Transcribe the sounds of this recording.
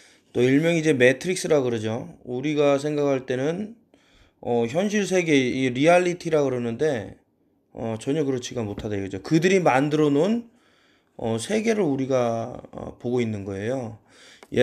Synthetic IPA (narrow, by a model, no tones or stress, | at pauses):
t͈oiɭmjʌŋid͡ʑe̞me̞tʰɯɾik̚s͈ɯɾaɡɯɾʌd͡ʑouɾiɡas̬ʰe̞ŋɡakʰaɭt͈e̞nɯn | ʌçjʌnɕ̬ʰiɭs̬ʰe̞ɡe̞iɾiaʎːitʰiɾakɯɾʌnɯnde̞ | ʌt͡ɕʌɲʌkɯɾʌt͡ɕʰiɡamotʰadaiɡɯd͡ʑokɯdɯɾimandɯɾʌnon | ʌsʰe̞ɡe̞ɾɯɭuɾiɡaʌ̰poɡoinːɯnɡʌe̞jo | j